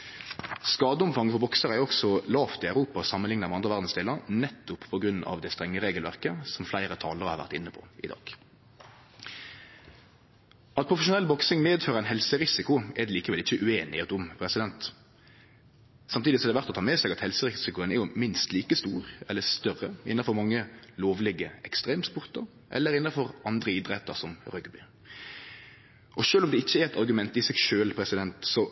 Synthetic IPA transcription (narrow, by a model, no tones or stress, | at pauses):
skɑːd̪əʊmfɑŋːfɔbɔksəʁæɾɔksɔlɑːft̪ɪæʉɾʁuːpɑsɑmːənlɪŋnɑmɛɑnd̪ʁəʋæʁd̪n̩sd̪eːləɾnɛt̪ːʊppʰɔɡɾʉnɑ̰ʋd̪ɛst̪ʁɛŋːəʁeːɡəlʋæ̰ʁkəsɔmflæɪʁət̪ʰɑːləʁhɑːʋæ̰ʁt̪ɪnːəpʰɔ̰ɪ̰d̪ɑ̰ːɡ̥ | ɑt̪̚pʰʁʊfəʃʊnɛlːbɔksɪŋmeːd̪føːʁəæɪnɦɛlsəʁɪsɪkʊʔɛd̪ɛːliːkəʋɛlɪçəʔʉeːnɪ̰ɛt̪ʊmpʰʁɛsɪd̪ɛnt̪ | sɑmt̪iːd̪ɪsɔɛd̪ɛʋæʁt̪ɔt̪ʰɑːmeːsɛɡɑt̪hɛlsəɾɪsɪkʊənɛɾjʊmɪnst̪liːkəst̪uːʁɛlːəst̪œʁəɪ̰nːɑfɔɾmɑŋːəloːʋlɪɡəɛkst̪ʁeːmspʊʁt̪əɾ | ʔɛ̰lːəɾɪnːɑfɔʁʔɑnd̪ʁəɪd̪ɾɛt̪ːəɾsɔmɾœɡbʏ | ʔɔʃøːlɔmd̪ɛɪçːəɛɾɛt̪ɑɾɡʉmɛnt̪ɪsɛːɡʃøːlpʰɾɛsɪd̪ɛnt̪sɔ